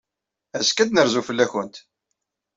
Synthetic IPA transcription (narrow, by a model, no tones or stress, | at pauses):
æskæd̪nəɾzufəlːæçənt̪